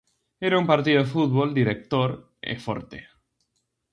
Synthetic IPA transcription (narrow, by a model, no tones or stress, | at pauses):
eɾaumpaɾt̪̬iðofut̪̚βold̪iɾek̚t̪oɾ | ḛfo̰ɾt̪e